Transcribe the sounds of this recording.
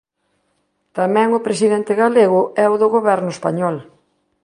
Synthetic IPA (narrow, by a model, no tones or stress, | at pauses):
t̪amɛ̃ŋʊpɾes̬iðent̪ɪɣaleɣʊɛʊðʊɣoβɛɾnʊespaɲɔl